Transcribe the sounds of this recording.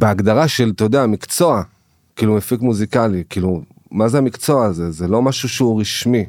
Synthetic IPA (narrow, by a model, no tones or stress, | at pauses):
beaɡd̪aʁaʃe̞lt̪od̪eamikt͡so̞a | kiːlumefikmuzikalikiːlu | mazeamikt͡so̞aːzezelo̞maʃuʃeuʁiʃmi